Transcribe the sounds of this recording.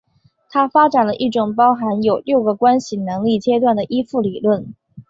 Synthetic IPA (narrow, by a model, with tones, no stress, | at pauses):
t̪ʰa˥fa˥ʈ͡ʂa˨˩nlə˦ʔi˥˩ʈ͡ʂʊ˨˩ŋpɑ˥ʊxa˧˥njo˨˩ʊljo˥˩ʊɡə˩kwa˥nɕi˨˩nɤ˧˥ŋli˥˩t͡ɕjɛ˥t̪wa˥˩nd̪ə˩ʔi˥fu˥˩li˨˩lwə˥˩n